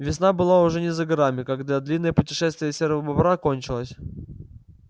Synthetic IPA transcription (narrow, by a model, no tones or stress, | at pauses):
vʲɪsnabɨlˠaʊʐɛnʲɪzəɡɐɾamʲɪkaɡd̪ad̪lʲinːəjəpʊtʲɪʂɛst̪vʲɪjəsʲeɾvəbɐbɾakonʲt͡ɕɪlˠəsʲ